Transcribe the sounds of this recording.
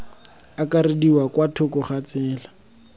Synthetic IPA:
akaɾediwakwatʰʊkʊχat͡sɛːla

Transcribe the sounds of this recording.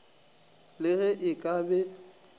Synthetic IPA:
lɪɣɛʔɪkʼabɛ

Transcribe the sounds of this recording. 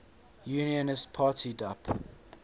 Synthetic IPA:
juːniənɪstpʰɑːˑtʰidap

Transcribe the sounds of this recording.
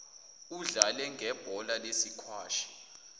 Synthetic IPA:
uɮalɛŋɡʱɛb̥ʱɔlalesikʰwaːʃi̥

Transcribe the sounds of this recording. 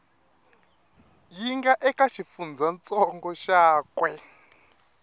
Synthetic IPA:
jiŋɡaʔɛkaʃifund͡zant͡sʼɔŋɡɔʃaːkwɛ

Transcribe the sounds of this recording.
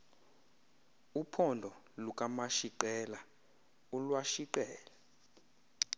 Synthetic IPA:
upʰɔndʱɔ | luk̬ʼamaʃiǃɛla | ulwaʃiǃɛːla

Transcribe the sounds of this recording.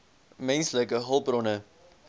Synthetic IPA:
mɛnsləkəɦəlˠprɔnə

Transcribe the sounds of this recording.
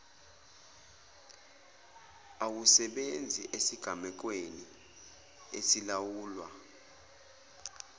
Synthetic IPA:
awusɛɓend͡zʱiʔesiɡ̥ʱamɛk̬weni | esilawuːlwa

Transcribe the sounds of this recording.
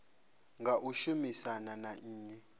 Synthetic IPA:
ŋɡʱaʔuʃumisananaːɲɛ

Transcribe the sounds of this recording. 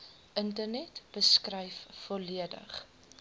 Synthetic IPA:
ʔəntərnɛtb̥əskrɛjfːɔliədə̰χ

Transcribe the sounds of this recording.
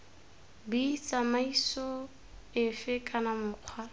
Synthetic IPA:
bit͡sʼamaisɔ | ɪfɪkʼanamʊːq͡χʰwa

